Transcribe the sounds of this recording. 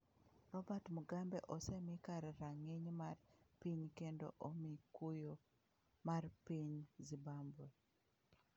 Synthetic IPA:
rɔbatmuɡambɛʔɔsɛmikaɾɛɾaŋɪɲmarpiɲkendo̰ʔomikujo | marpiɲzibambo

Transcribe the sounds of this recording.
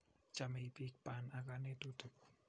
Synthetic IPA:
t͡ʃamepik̚panakanet̪ud̪̥ʊʔ

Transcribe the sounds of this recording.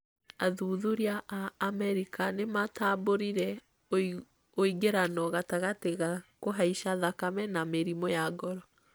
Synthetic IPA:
aðuːðuɾiaʔaːmɛɾikanemataboɾiɾɛ | oiɡeɾanɔɣataɣateɣakoɦaiʃaðakamɛnameɾimɔjaɡɔɾɔ

